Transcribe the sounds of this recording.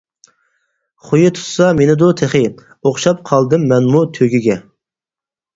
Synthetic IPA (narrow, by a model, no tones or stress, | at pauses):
χojut̪ʰu̥t̪sɑmenɪd̪ʊt̪ʰeχɪ | oχʃɑp̚qʰɑlˠd̪ɨmːɛnmut̪ʰøɡʲiɡʲɛ